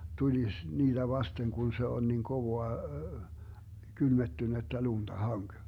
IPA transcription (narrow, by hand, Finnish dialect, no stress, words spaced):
tulis niːd̥æ ʋɑsteŋ kun se on niŋ koʋoɑ kylmetːynetːæ luntɑ hɑŋk